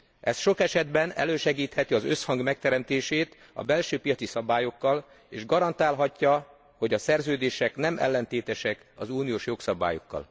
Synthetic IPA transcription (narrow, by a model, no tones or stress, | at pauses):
ɛsʃo̞kɛʃɛd̪bɛnɛ̰løːʃɛɡiːt̪hɛt̪iɒzø̞shɒŋɡmɛk̚t̪ɛɾɛmt̪eːʃeːt̪ | ɒ̰bɛlʃøːpijɒt̪sisɒbaːjo̞kːɒl | eːʒɡɒɾɒnt̪aːlɦɒcːɒ | ho̞ɟɒsɛrzøːd̪eːʃɛknɛmɛ̰lːɛnt̪eːt̪ɛʃɛk | ɒzuːnijoːʃjo̞ksɒba̰ːjo̞̰kːɒ̰l